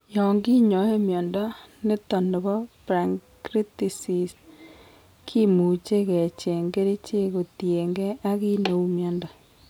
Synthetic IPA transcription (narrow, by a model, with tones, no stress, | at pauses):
jɔ˨ŋɡi˦ɲɔ˨˦e˦mjɔ˨nda˦ne˦tɔ˨nɔ˨βɔ˦pɾa˨ŋkɾi˦ti˨si˨s | kʰi˦mu˨t͡ʃe˦ɣe˨t͡ʃe˨ŋɡe˦ɾi˦t͡ʃe˦ɣo˨tje˨ŋɡe˦a˦ɣi˦no˨u˦mjɔ˨nda˨